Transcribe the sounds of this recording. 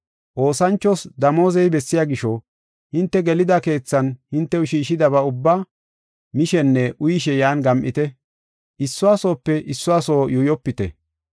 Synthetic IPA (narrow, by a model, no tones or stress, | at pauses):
ʔo̞ːsɐnt͡ʃːɔsd̪ɐmo̞ːzɛjbɛsːɪjaːɡɪʃɔ | hɪnt̪ːɛɡɛlɪd̪ɐke̞ːt͡sːɐnhɪnt̪ːɛʊʃiːʃɪd̪ɐβɐʊbːa | mɪʃɛnːɛʔʊjɪʃɛjaːnɡɐmʔɪ̰t̪ɛ | ʔɪsːʊaːso̞ːpːɛʔɪsːʊaːso̞ːjujɔpːɪt̪ɛ̰